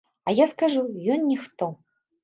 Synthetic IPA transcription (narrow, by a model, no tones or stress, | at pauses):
ɐjaskaʐujɔnnʲixt̪ɔ